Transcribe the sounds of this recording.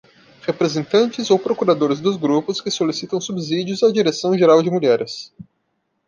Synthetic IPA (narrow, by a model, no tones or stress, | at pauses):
hepɾezẽnt̪ɐ̃nt͡ʃɪzowpɾokuɾad̪oɾɪzd̪ʊzɡɾupʊskɪsolisit̪ɐ̃w̃subizid͡ʒʊzad͡ʒiɾesɐ̃w̃ʒeɾawd͡ʒɪmuʎɛɾɪs